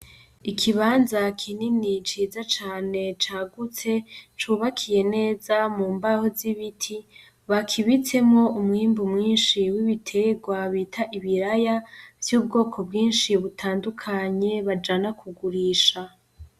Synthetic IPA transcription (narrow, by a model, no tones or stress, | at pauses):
ikʰiβaːnzakʰininit͡ʃiːzat͡ʃaːne̞t͡ʃaːɡut͡se̞t͡ʃuːβakʰije̞ne̞ːzamuːmbahoziβitʰi | βakʰiβit͡se̞mŋo̞umŋiːmbumŋiːnʃiwiβitʰe̞ɡwaβiːtʰaʔiβiɾajavjuːb̚ɡo̞ːkʰo̞bɡiːnʃiβutʰaːndukʰaɲe̞βad͡ʒanakʰuɡuɾiːʃa